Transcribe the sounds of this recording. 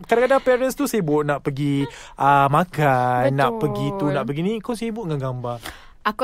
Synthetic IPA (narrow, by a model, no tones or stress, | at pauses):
kadakadaŋpɛɾənst̪usiəbʊʔnaʔpəɡiʔəmãkanːaʔpəɡit̪unãʔpəɡinĩkawsibʊʔŋanɡamba | a